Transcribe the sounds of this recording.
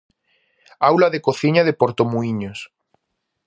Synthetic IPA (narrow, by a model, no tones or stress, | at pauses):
awlaðekoθiɲaðepoɾt̪omuiɲos